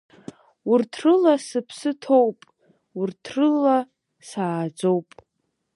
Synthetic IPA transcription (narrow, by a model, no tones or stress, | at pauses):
urtʰrɨlasɨpʰsɨtʰowpʼ | urtʰrɨla | saːd͡zo̞wpʼ